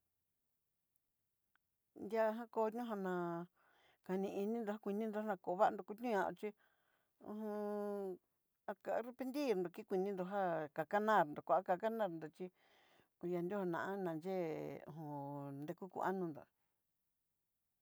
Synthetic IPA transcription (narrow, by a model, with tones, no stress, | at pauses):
nd̪ja˦˧ɦã˦ko˧˦ɲũ˦ɦa˧nã˧ | ka˧nĩ˧i˧nĩ˦nd̪o˧ha˦kʷi˧nĩ˦nd̪o˧ha˦nã˧ko˨˧βa˦ʔa˧nd̪o˧ku˧˦t̪ɲũ˦ɲã̰˧t͡ʃi˦ | ṵ̃˧ɦũ˧ | a˧ka˧˦ɾe˧pe˧nd̪i˦˨ɾnd̪o˨˧ki˦kʷi˧nĩ˧nd̪o˧ɦa˦ka˨ka˦nã˦˨ɾnd̪o˨kʷa˧˨a˦ka˧ka˦nã˦ɾnd̪o˨t͡ʃi˦ | u˧ja˧nd̪ʲo˦ho˧nã̰˨ʔã˦nã˨nd͡ʒe˦ṵ̃˨ɦũ˧nd̪e˧ku˦kṵ˧a˦nũ˧nd̪o̰˨